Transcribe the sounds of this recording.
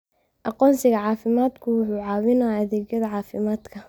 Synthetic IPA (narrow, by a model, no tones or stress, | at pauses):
ʔɑqɔːnsɪɣɐʕɑːfɪmaːd̪kʰʊwʊħuːʕɑːwɪnɐɐðɛːɣjɐðɐʕɑːfɪmaːd̪kʰɐ